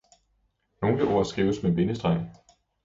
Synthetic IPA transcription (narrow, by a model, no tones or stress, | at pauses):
no̝ːnləʔo̝ɐ̰sɡ̥ʁiːʊsmeb̥e̝nəsd̥ʁɑ̈ɪ̰